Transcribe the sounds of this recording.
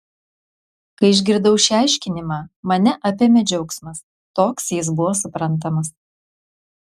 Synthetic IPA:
kɐɪɪʒʲɡʲɪɾd̪ɐʊʃʲæˑɪʃʲkʲɪnʲɪmɑːmɐnʲɛʔɐpʲeːmʲɛd͡ʒʲɛʊksmɐs | t̪oːksjɪs̬bʊʋoːsʊpɾɐnˑt̪̬ɐmɐs

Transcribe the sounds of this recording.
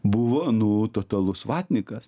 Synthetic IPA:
bʊʋoːnuːt̪oːt̪ɐlˠʊsʋɑːt̪ʲnʲɪkɐs

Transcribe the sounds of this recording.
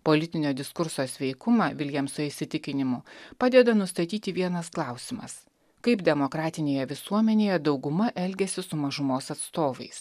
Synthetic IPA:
poːlʲɪt̪ʲɪnʲoːd̪ʲɪskʊɾsoːsʲʋʲɛɪkʊmɑʋʲɪlʲjiɛmsʊɪsʲɪt̪ʲɪkʲɪnʲɪmʊpɑːd̪ʲɛd̪ɐnʊst̪ɐt̪ʲiːt̪ʲɪʋʲiɛnɐsklˠɑˑʊsʲɪmɐ̰s | kɐɪpd̪ʲɛmokɾɑːt̪ʲɪnʲeːjɛʋʲɪsuɔmʲɛnʲeːjɛd̪ɒʊɡʊmɐʔɛlʲɡʲɛsʲɪsʊmɐʒʊmoːsɐt̪st̪oːʋɐ̰ɪs

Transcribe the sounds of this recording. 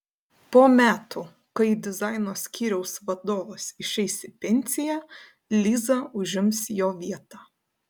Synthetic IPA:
poːmʲæːt̪ʊ | kɐɪd̪ʲɪzɐɪnoːsʲkʲʰiːɾʲɛʊsʋɐd̪oːʋɐsɪʃʲɛɪsʲɪpʲɛnʲsʲɪjæ | lʲiːzɐʊʒʲɪmsjoːʋʲiɛt̪ɑː

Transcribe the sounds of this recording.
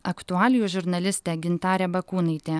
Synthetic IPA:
ɐkt̪ʊɑːlʲɪjuːʒʲʊɾnɐlʲɪsʲt̪ʲɛːɡʲɪnt̪ɑːɾʲɛbɐkuːnɐɪt̪ʲeː

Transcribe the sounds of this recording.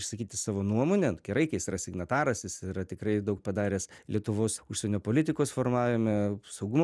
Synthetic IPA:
ɪʃsɐkʲiːt̪ʲɪsɑːʋoːnuɔmoːnʲɛɡʲɛɾɐɪkɐɪsiːɾɐsʲɪɡnɐt̪ɑːɾɐsjɪsɪɾɐt̪ʲɪkɾɐɪd̪ɐʊk̚pɐd̪ɑːɾʲeːslʲiɛt̪ʊʋoːsʊʃʲsʲɛnʲoːpoːlʲɪt̪ʲɪkoːsfoːrmɑːʋʲɪmɛsɐʊɡʊmo

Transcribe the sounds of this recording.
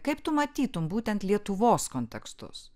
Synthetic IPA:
kɐɪpt̪ʊmɐt̪ʲiːt̪ʊmbuːt̪ʲɛnt̪lʲiɛt̪ʊʋoːskoːnʲt̪ʲɛkst̪ʊ̰s

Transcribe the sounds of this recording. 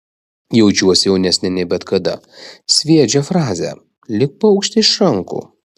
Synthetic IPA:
jɛʊd͡ʒʲuɔsʲjɛʊnʲɛsʲnʲɛnʲɛbʲɛt̪kɐd̪ɐ̰sʲʋʲiɛd͡ʒʲɛfɾɑːzʲæ̰ː | lʲɪk̚pɐɐʊkʃʲt̪ʲɪɪʃɾɐŋˑkṵː

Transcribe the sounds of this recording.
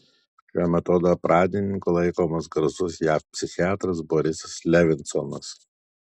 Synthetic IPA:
ʃʲæːmʲɛt̪oːd̪ɐpɾʔɑːd̪ʲɪnʲɪŋkʊlˠɐɪkoːmɐsɡɾɐzʊsjæːfpʲsʲɪxʲɪɑːt̪ɾɐsbɔɾʲɪsɐslʲɛʋʲɪnt̪sɔnɐs

